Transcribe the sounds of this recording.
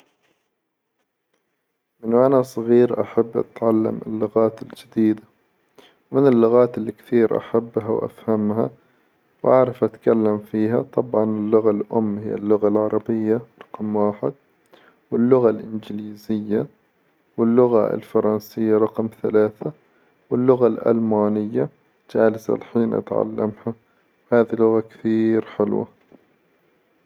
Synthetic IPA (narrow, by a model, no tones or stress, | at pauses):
mɪnʔanasˤɣiːɾʔa̰ħabːʔa̰t̪ʕalːa̰mɪ̰lːʊɣaːt̪ɪld͡ʒɪd̪iːd̪a | wmɪnɪlːʊɣaːt̪ɪlːikθiːɾʔa̰ħabːɦawʔa̰fhamha̰ | wʔaʕɾˤɑfʔat̪kalːamfiːɦat̪ˤɑbʕɑnɪlːʊɣalʔʊmːhɪjːa̰lːʊɣalʕɑɾˤɑbɪjːaɾˤɑqmwaːħɪd̪̚ | wɪlːʊɣalʔɪnd͡ʒɪliːzɪjːa | wɪlːʊɣaɪ̰lfɑɾˤɑnsɪjːaɾˤɑqmθalaːθa | wɪlːʊɣalʔa̰lmaːnɪjːa | d͡ʒaːlɪsa̰lħiːnʔa̰t̪ʕa̰lːa̰mha | whaːðilʊɣakɪ̥θiːɾħɪlwa̰